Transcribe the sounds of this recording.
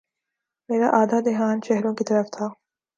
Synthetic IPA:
meːɾaʔaːd̪ʱaːd̪ɪɦaːnʃɛɦɾõkit̪ɐɾəft̪ʰaː

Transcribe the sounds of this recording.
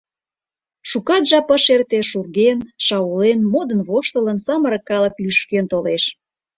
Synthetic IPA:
ʃukɑt̪ʒɑpəʃert̪eʃurɣenʃɑulenmod̪ənβoʃt̪ələnsɑməɾə̆kːɑlə̆klyʃkent̪oleʃ

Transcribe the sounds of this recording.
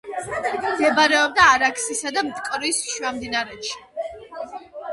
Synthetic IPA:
md̪ɛbaɾɛɔb̚d̪aːɾakʰsisad̪amt̪ʼkʼɾisʃwamd̪inaɾɛt̪ʃi̥

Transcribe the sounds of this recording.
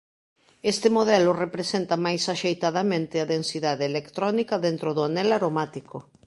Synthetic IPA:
est̪ɪmoð̞ɛlʊrepɾesent̪amajsaʃejt̪að̞amẽnt̪ɪaðensiðaðeːlekt̪ɾɔnikɐðent̪ɾoðoanɛlaɾomat̪iko

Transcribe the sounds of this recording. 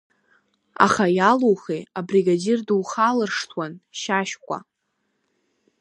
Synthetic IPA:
a̰χajalowχejabriɡadirduwχalɨrʂtʰwanʃaʃkʷʼa̰

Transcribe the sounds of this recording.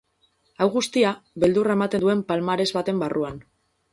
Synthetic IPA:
awɣust̪iaβe̞ld̪urae̞mat̪e̞nd̪ue̞mpalmaɾe̞zβat̪e̞mbaruan

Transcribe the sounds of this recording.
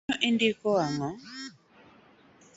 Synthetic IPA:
ɔʔindikɔaŋɔ

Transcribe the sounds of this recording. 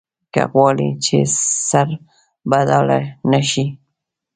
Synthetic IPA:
ka̰ɣwɑlḭt͡ʃḛsaɾ | bad̪alanaʃi

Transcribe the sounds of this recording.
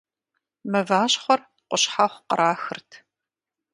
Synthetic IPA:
mɐvaːɕχʷɔr | qʷʊɕħaχʷqə̰ɾʔaːxɨrtʰ

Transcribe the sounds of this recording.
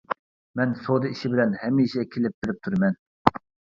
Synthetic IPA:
mɛnsod̪ɨiʃibɪlɛnhɛmːiʃɛkʲʰelɪp̚bɪɾɪp̚t̪ʰuɾmɛn

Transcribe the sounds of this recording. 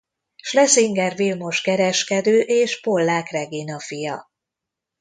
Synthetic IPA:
ʃlɛsiŋɡɛrvilmo̞ʃkɛɾɛʃkɛd̪øːʔeːʃpo̞lːaːkrɛɡinɒfijɒ

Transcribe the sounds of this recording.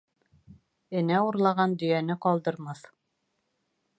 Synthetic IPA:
ɘ̆næuɾlˠɑʁɑnd̪ɵ̆jænɘqɒlˠd̪ɤ̆ɾmɑθ

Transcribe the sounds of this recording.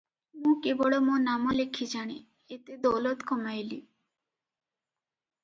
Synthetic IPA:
mũkeboɽomonamolekʰid͡ʑaɽ̃e | et̪ed̪owlot̪kʰɔmajli

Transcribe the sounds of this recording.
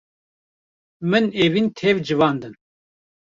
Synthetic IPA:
mɨnevint̪ʰɛvd͡ʒɨvɑːnd̪ɨn

